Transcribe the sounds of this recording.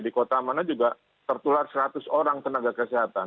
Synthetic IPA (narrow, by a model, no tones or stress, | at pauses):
dikot̪amanad͡ʒuɡa | t̪ərt̪ularsəɾat̪ʊsoɾaŋt̪ənaɡakəsiɦat̪an